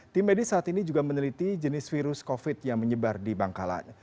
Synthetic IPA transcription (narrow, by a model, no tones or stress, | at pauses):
t̪ɪmedisaːt̪inid͡ʒuɡamənəlit̪id͡ʒənɪsfiɾʊskofɪt̪̚jaŋməɲəbardibaŋkala̰n